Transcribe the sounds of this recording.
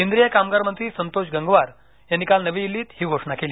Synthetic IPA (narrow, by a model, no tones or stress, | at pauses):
kend̪ɾijəkamɡaɾmənt̪ɾiːsənt̪oɕɡəŋɡʋaɾ | janːikalnəʋĩilːiːt̪hiːɡʱoʂɳakeliː